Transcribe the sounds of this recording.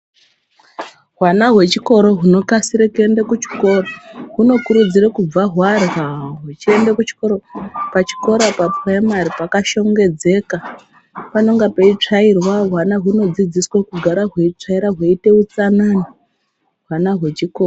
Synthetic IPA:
ɦwanaɦwe̞t͡ʃiko̞ɾo̞ɦuno̞kasiɾekue̞ndekut͡ʃi̥ko̞ːroɦuno̞kuɾud͡zirekub͡vaɦwarɣaɦut͡ʃie̞ndekut͡ʃi̥ko̞ɾopat͡ʃi̥ko̞ɾapapraimaripakaʃo̞ŋɡe̞d͡ze̞ka | pano̞ŋɡapeit͡ʂairwaɦwanaɦuno̞d͡zid͡ziswakuɡʱaɾaɦwe̞it͡ʂaiɾaɦweite̞ut͡sanani | ɦwanaɦwe̞t͡ʃiko̞ːro

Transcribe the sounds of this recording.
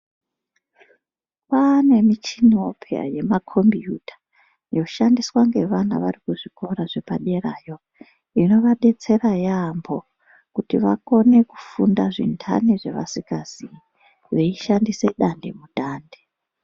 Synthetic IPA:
pane̞mit͡ʃino̰pʰea̰je̞makʰo̞mbijutʰḁ | jo̞ʃandiswaŋɡe̞ʋana̰ʋarikuʐiko̞ɾaʐe̞paɗeraːjo̞ | ino̞ʋaɗe̞t͡se̞rajambo̞ | kutiʋa̰ko̞ne̞ku̥fundaʐḭntʰa̰niʐe̞ʋa̰sikazi | ʋeiʃandise̞ɗande̞̰muɗaːnde

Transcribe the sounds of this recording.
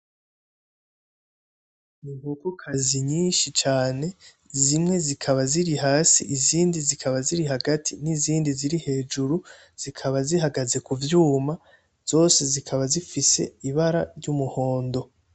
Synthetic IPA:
niŋhokokʰaziɲiːnʃit͡ʃaːne̞ | zimŋe̞zikʰaβaziɾiɦaːsiʔiziːndizikʰaβaziɾiɦaɡatʰiniziːndiziɾihe̞ːd͡ʒuɾu | z̥ikʰaβaziɦaɡaze̞kuvjuːma | z̥o̞ːse̞zikʰaβazifise̞̰iβaɾaɾɟumuho̞ːndo̞

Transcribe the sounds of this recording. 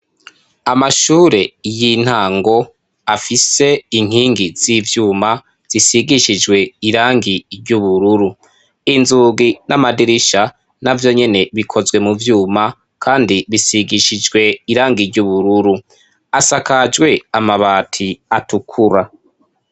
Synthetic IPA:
amaʃuːɾe̞jin̥haːŋɡo̞ | afise̞iŋ̥hiːŋɡiz̥iːvjuːma | z̥isiɡiʃid͡ʒɡwe̞iɾaːŋɡiɾɟuβuɾuɾu | inzuːɡinamadiɾiʃa | navjo̞ɲe̞ne̞βikʰo̞zwe̞muvjuːma | kʰaːndiβisiɡiʃid͡ʒɡwe̞iɾaːŋɡiɾɟuβuɾuɾu | asakad͡ʒɡwe̞amaβaːtʰiatukʰuɾa

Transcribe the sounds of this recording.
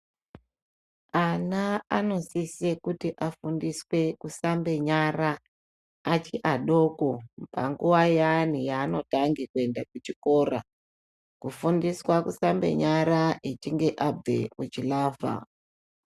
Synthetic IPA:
anaano̞sisekutiʔafundiswe̞kusambe̞ɲaraː | t͡ʃiʔaɗo̞kopa̰ŋɡuʋajanijaːno̞taŋɡekue̞ndakut͡ʃiko̞ra̰ | kufundiswakusambe̞̰ɲaɾaʔet͡ʃiŋɡe̞ʔabḛut͡ʃilaːva̰

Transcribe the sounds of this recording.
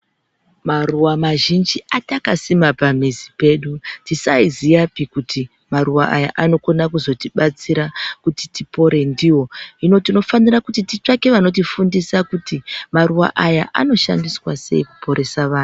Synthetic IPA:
maruwamaʒind͡ʒiʔatakasimapamizipe̞ːɗutisaizijapikuti | maruwaʔaja̰ʔano̞ko̞nakuzo̞tiɓat͡siɾakuti̥tipo̞ɾe̞ndiwo̞ino̞tino̞fanirakutitit͡ʂake̞ʋano̞t̬ifundisakutimaruwa̰ʔaja̰ʔano̞ʃa̰ndiswase̞̰iku̥po̞ɾe̞saʋaːnu

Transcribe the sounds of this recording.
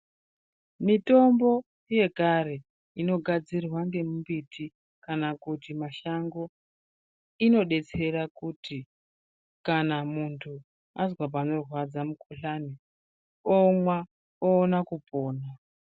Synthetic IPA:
mito̞mbo̞ | je̞kaɾe̞ | ino̞ɡʱad͡zirwaŋɡe̞mumbitʰi | kanakutimaʃaŋɡo̞ | ino̞ɗe̞t͡se̞ɾakuti | kanamuntʰu | azwap̬ano̞rwad͡zamukʰuɬani | omwa | oːnakupo̞ːna

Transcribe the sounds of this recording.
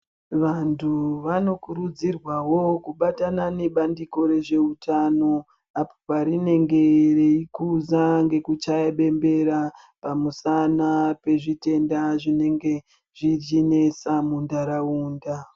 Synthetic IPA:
ʋantʰuʋano̞kuɾud͡zirwawo̞kuɓatanane̞ɓandiko̞ɾe̞ʐe̞utʰano̞ | apo̥paɾine̞ŋɡe̞reikuzaŋɡe̞kut͡ʃaeɓe̞mbe̞ɾa | pamusanape̞ʐite̞ndaʐine̞ŋɡe̞ | ʐiine̞samundaɾauːnda

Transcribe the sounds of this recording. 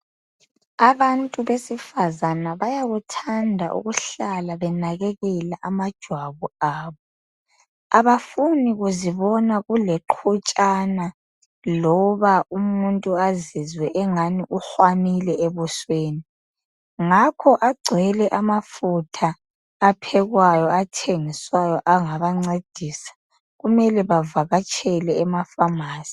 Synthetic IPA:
aβantʼuβesifazanaβajaɣutʰandʱaʔṵɣuɬalaβɛnaɣɛɣɛlaʔamad̥ʒ̥ʱwaβuaːβɔ | aβafuniɣuziβɔnaɣulɛǃʰut͡ʃʼana | lɔβaumuntʼuazizwɛʔɛŋaniʔuxwamilɛeβusweːni | ŋakʰɔʔaɡ͡ǀʱɛlɛʔamafutʰaː | pʰɛɣwajɔatʰeŋiswajɔʔaŋaβaŋ͡ǀed̥ʱiːsḁ | ɣumɛlɛβavaɣat͡ʃʰʼɛlɛːmafamaːsi̥

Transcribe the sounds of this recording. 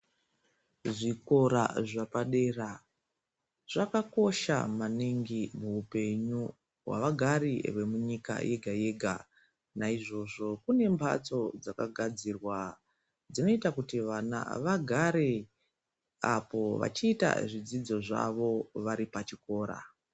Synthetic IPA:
ʐiko̞ɾa̰ʐapaɗe̞ra | ʐ̥akako̞ʃa̰maniŋɡimuupe̞ɲu | wa̰ʋaɡʱaɾiʋe̞muɲika̰jʔe̞ɡʱaje̞ɡʱa | naiʐo̞ʐo̞kune̞mbʱʰa̰t͡so̞d͡zaka̰ɡʱad͡zirwa | d͡zino̞itakutiʋana̰ʋaɡʱaɾe | apo̞ʋa̰t͡ʃiːta̰ʐid͡zid͡zo̞ʐa̰ʋo̞ʋaɾipat͡ʃiko̞ːɾa̰

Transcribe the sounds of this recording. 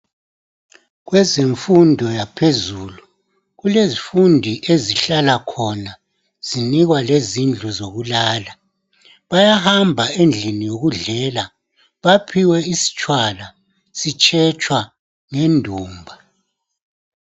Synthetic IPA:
ɣwɛzeɱfundʱɔjapʰezuːlu | ɣulezifundʱiʔeziɬalakʰɔna | z̥iniɣwalezind͡ɮʱuzoɣulaːla | βajahambʱaend͡ɮʱinijoɣuɮɛla | βapʰiwɛisi̥t͡ʃʼwala | sit͡ʃʼʰɛt͡ʃʰʼwa | ŋendʱuːmbʱa

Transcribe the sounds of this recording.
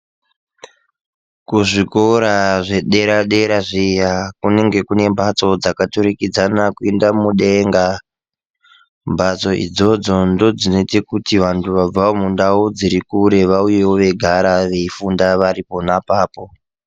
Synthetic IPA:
kuʐikoɾaʐe̞ɗe̞ɾaɗe̞ɾaʐijakune̞ŋɡe̞kune̞mbʱat͡so̞d͡zakatuɾikid͡zanakuendamuɗe̞ŋɡa | mbat͡so̞ʔḭd͡zo̞d͡zo̞ndo̞d͡zino̞itekutiʋantʰuʋab͡vaomundaud͡ziɾikuɾe̞ʋaujewo̞ʋe̞ɡʱaɾaʋe̞ifundaʋaɾipo̞napaːpo̞

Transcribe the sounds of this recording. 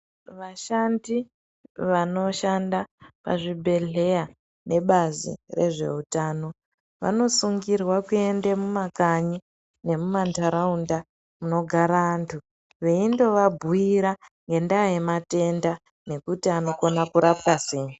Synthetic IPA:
ʋaʃandi | ʋano̞ʃandapa̰ʐibʱe̞ɮe̞ja | ne̞ɓazḭre̞̰ʐe̞̰utaːno̞ | ʋa̰no̞suŋɡirwakue̞ndemumakaɲi | ne̞mumantaɾaunda | muno̞ɡʱaɾaːntʰu | ʋe̞indo̞ʋabʱuiɾaŋɡe̞ndaːjemate̞nda | ne̞kutiano̞ko̞nakuɾapkaseːɲi

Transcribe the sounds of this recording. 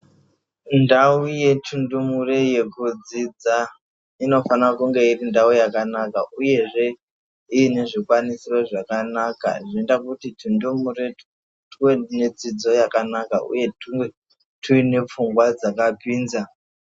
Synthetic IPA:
ndauje̞tʰundumureje̞kud͡zid͡za | ino̞fankuŋɡe̞irindaujakanakaʔuje̞ʐe̞ | iine̞ʐikwanisiroʐakanaka̰ʐindakutitʰundumure | tened͡zid͡zo̞jakanaka̰ṵje̞tuŋɡe | tʰuine̞p͡fuŋɡwad͡zakapwiːnza

